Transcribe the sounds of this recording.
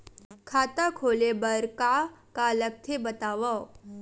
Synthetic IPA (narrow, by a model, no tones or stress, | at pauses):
kʰaːt̪akʰoːlebɐɾkakalɐɡ̚t̪ʰebɐt̪aːwa